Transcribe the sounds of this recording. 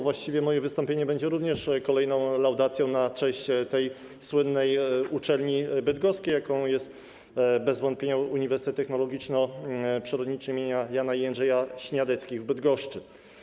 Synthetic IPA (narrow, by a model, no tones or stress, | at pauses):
vwaɕt͡ɕivʲjɛmɔjɛvɘst̪ɔ̃mpʲjeɲɛbɛɲd͡ʑɛɾuvɲɛʂkɔlɛjnɔ̃w̃lawd̪at̪sʲjɔ̃w̃nat͡ʂɛ̃ɕt͡ɕt̪ɛj | swɘnːɛjut͡ʂɛlɲibɘd̪ɡɔskʲejːakɔ̃w̃jɛst̪ | bɛzvɔnt̪̚pʲeɲauɲivɛɾsɘt̪ɛt̪ːɛxnɔlɔɡʲit͡ʂnɔpʂɛɾɔd̪ɲit͡ʂɛimʲjeɲajanaianʐɛjaɕɲad̪ɛt̪skʲivbɘd̪ɡɔʂt͡ʂɘ